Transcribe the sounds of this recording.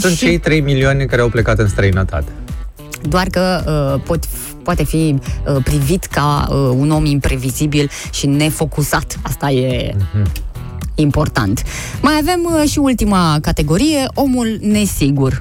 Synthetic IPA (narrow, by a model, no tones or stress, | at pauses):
sunt̪t͡ʃe̞jt̪ɾe̞jmilioanʲekaɾeawplekat̪ɨnst̪ɾəinət̪a̰t̪e̥ | d̪oarkəəpo̞t̪ | poat̪e̞fiəpɾivit̪ka̰əuno̞mimpɾe̞vizibilʃine̞fo̞kusat̪ast̪aje̞ | impo̞rt̪a̰nt̪ | majave̞mʃiult̪imakat̪e̞ɡo̞ɾije̞ʔo̞mulne̞siɡur